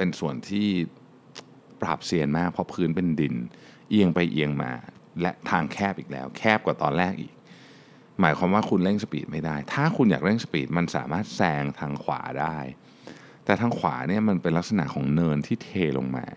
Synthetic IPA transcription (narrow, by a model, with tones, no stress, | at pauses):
pe˧nsu˨˩ənt̪ʰiː˥˩ | pɾa̰ː˨˩p̚si˧ənmaː˥˩k̚pʰɔ˦˥pʰɯː˦˥npe˧ndi˧˩n | ʔi˧əŋpa˧jʔi˧əŋma̰ː˧ | lɛ˦˥ʔt̪ʰaː˧ŋkʰɛː˥˩p̚ʔiː˨˩k̚lɛ̰ː˦˥wkʰɛː˥˩p̚kwaː˨˩t̪ɔː˧nlɛː˥˩k̚ʔḭː˨˩k̚ | maː˩˦jkʰwaː˧mwaː˥˩kʰu˧nle˥˩ŋsa˧pḭː˨˩t̪̚ma˥jdaː˥˩jt̪ʰaː˥˩kʰu˧njaː˨˩k̚le˥˩ŋsa˧piː˨˩t̪̚ma˧nsaː˩˦maː˥˩t̪̚sɛː˧ŋt̪ʰaː˧ŋkʰwa̰ː˩˦daː˥˩j | t̪ɛː˨˩t̪ʰaː˧ŋkʰwa̰ː˩˦ni˥˩ɐma˧npe˧nla˦˥k̚sa˧na̰˨˩ʔkʰɔː˩˦ŋnɤː˧nt̪ʰiː˥˩t̪ʰeː˧lo̰˧ŋma̰ː˧